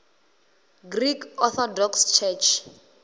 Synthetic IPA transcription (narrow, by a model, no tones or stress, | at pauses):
ɡrikʰɔθɔdɔkst͡ʃʰɛt͡ʃʰ